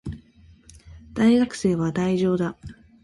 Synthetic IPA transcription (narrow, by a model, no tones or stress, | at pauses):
d̪̥aiɡakɯ̟̥se̞ːβad̪aiʑo̞ːd̪a